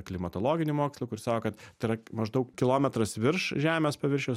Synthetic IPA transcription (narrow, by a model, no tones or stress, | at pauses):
klʲɪmɐt̪oːlˠoːɡʲɪnʲɪmoːkʲslˠukʊɾʲɪsɑːkoːkɐt̪t̪ʲɪɾɐmɐʒd̪ɐʊkkʲɪlˠoːmʲɛt̪ɾɐsʋʲɪrʃʒʲæːmʲeːspɐʋʲɪɾʲʃʲɛʊ